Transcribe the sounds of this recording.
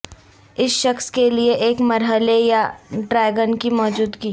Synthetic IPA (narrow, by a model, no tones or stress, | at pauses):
ɪsʃɐxskelieʔeːkmɐɾɦəlejaɖɾɛːɡənkimɔːd͡ʒuːd̪ɡiː